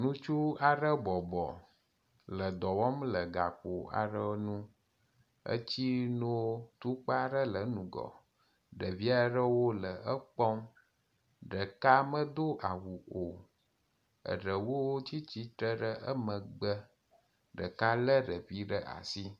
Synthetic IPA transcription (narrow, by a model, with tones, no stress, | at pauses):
nũ˦t͡ʃu˦a˨ɖə˦bɔ˨bɔ̰˨ | lə˨d̪ɔ˨wɔ˦mlə˨ɡa˨k͡po˨a̰˨ɖə˦nũ˦ | ə̰˦t͡ɕi˦no˦t̪u˦k͡pa˦ɖə˦lə˨˦nũ˨ɡɔ̰˨ | ɖə˨vi˦a˦ɖə˦wo˦lə˨ə˦k͡pɔ˦m | ɖə˨ka˦mə̃˦d̪o˦ʔa˨wu˨o˨ | ə̰˨ɖə˨wo˦wo˦t͡ɕi˦t͡ɕi˦t̪ɾə˦ɖə˦ʔə˦mə̃˨ɡ͡bə˦ | ɖə̰˨ka˦lə˦ɖə˨ɸi˦ɖə˦ʔa̰˨si˦